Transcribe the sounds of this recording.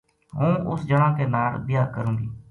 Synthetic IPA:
ɦũːʔʊsd͡ʒəɳãːkeːnaːlbɪjaːkəɾũːɡiː

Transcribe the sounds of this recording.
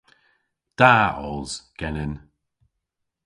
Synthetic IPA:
d̪̥aɔ̰lz̥ɡ̥ɛnɪn

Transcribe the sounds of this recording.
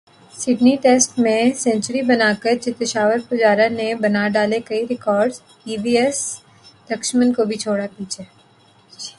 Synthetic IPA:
sɪɖniʈeːsʈmẽsɛ̃ːɲt͡ʃəɾibɐnaːkəɾt͡ʃɪt̪ːɪʃaːʋəɾpɐd͡ʒaːɾanebɐnaɖaːlekɐiɾɪkɔːɾɖz | iːbiːɛs | lɐkʃmə̃nkobʱit͡ʃʰoːɽapiːt͡ʃʰeː

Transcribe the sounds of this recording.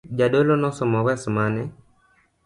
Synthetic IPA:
d͡ʒadolonɔsɔmɔwɛsmanɛ

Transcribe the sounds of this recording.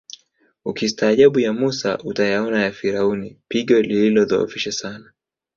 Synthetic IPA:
ukistaːʄaɓujamusa̰ʔutajaɔnajafiɾaunipiɠɔlililɔðɔ̰ɔ̰fiʃasana

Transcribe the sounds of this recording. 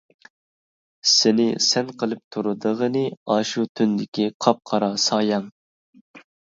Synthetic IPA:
sɪnɪsɛnqʰəlˠɨp̚t̪ʰuɾud̪əʁənɨɑːʃut̪ʰynd̪ɪkʲiqʰɑp̚qʰɑɾɑsɑːjɑŋ

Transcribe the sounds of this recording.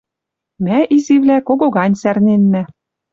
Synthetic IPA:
mæʔiziβlækoɣoɣɑnʲsærnenmæ

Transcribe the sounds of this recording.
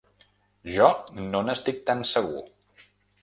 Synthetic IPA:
ʒɔnonəst̪ik̚t̪ansəɣṵ

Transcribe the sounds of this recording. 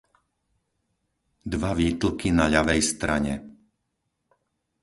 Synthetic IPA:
d̪ʋaʋiːt̪l̩kinaʎaʋɛjst̪ɾaɲɛ

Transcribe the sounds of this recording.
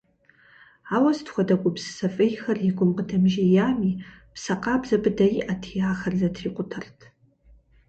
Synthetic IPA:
aːwɐstxʷɔdɐkʷʼʊbzɨ̥sɐfʼejxɐrjiɡʷʼʊmqədʰɐmʒijaːmiː | psɐqɑːbzɐbɨdɐjiʔɐtʰijaːxɐrzɐtʰriːqʷʊtʰɐrtʰ

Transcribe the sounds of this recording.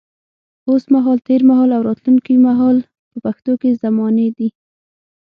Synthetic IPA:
osmaɦɑlt̪eɾmaɦɑlawɾɑt̪luŋkimaɦɑl | pəpaxt̪okezamɔned̪i

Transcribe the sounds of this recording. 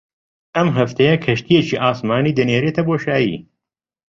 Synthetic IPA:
ɐmɦɐft̪ʰejɐkʰɐʃt̪ijet͡ʃʰiʔaːsmaːniːd̪ɨneːɾeːt̪ʰɐboːʃaːjḭː

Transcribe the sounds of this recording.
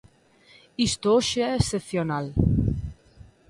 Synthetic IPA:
ist̪ooʃeɛesθeθjonal

